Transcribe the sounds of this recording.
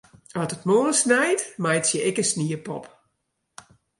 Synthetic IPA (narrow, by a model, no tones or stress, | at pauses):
ɔtətmoːəlsnɛjtmajtsjəʔɪkəsniəpɔ̰p